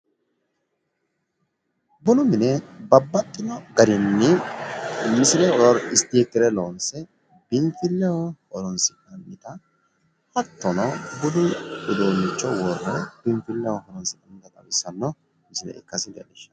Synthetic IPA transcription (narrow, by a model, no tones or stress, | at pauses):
bʊlʊmɪnɛbɐbːɐt̪ːɪnɔɡɐɾɪnːɪ | mɪsɪlɛɔɾɔɾɪst̪ːɪjɛkːɪɾɛloːnsɛ | bɪnfɪlːɛwɔhɔɾɔnsɪkʼːɐnːɪt̪ɐ | hɐt̪ːɔnɐbʊlʊʔʊd̪oːnːɪt͡ʃːɔwɔrːɛbɪnfɪlːɛwɔhɔɾɔnsɪkʼːɐmːɪt̪ɐt̪ʼɐwɪsːɐnːɔ | mɪsɪlɛ̰ɪ̰kːɐsɪd̪ɛ̰nɪʃɐ̥